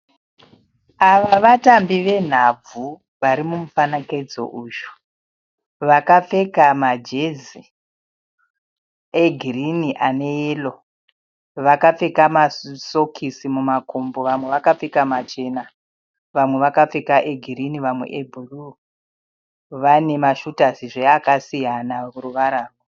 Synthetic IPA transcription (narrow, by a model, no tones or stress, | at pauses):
aʋaʋatambiʋe̞n̤ab͡vu | ʋaɾimumufanakaid͡zo̞̰ʔuːʃu̥ | ʋakap͡fe̞kamad͡ʒezi | eɡʱiriniʔane̞eːlo̞ | ʋakap͡fe̞kamaso̞kʰisimumakombo̞ʋamwe̞ʋakafekamat͡ʃe̞ːna | ʋamweʋakap͡fe̞kaʔeɡʱiriniʋamwe̞̰ʔebʱuru | ʋane̞maʃutasiʐeakasijanakuruʋaɾaːro